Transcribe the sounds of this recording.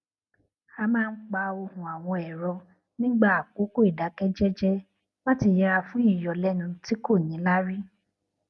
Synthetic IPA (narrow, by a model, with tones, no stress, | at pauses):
a˧mãː˦˧˦k͡pa˧o˧hũ˨a˨w̃ɔ̃˧ɛ˨ɾɔ˧ | nĩ˦ɡ͡ba˦˨a˨ko˨˦ko˦i˦˨da˨˦kɛ˦d͡ʒɛ˦d͡ʒɛ˦ | ba˦ti˧jɛ˧a˧fũ˨˦i˦˨jɔ˨lɛ˨˦nũ˧ti˦ko˦˨nĩ˨˦la˦ɾi˦